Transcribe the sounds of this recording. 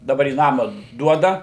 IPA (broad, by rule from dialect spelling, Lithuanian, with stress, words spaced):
dɐˈbɐr iː ˈnɑːmɐ ˈduɔdɐ